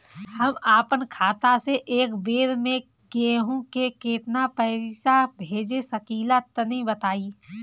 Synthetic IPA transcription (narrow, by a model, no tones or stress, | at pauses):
hɐmaːpənkʰaːt̪aseʔeːkbeːɾmẽ | keɦõkekeːt̪napəɦisabʱeːd͡ʒesəkiːlat̪ənəɦĩbət̪aːi